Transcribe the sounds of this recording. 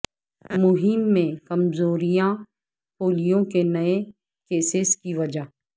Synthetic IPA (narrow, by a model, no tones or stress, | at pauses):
mʊɦɪmːẽkɐmzoːɾijã | poːlijõkenɐe | keːsɪskiʋɐd͡ʒa